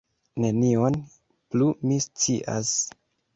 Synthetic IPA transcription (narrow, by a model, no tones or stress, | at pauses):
ne̞nio̞n | plumist͡siʔa̰s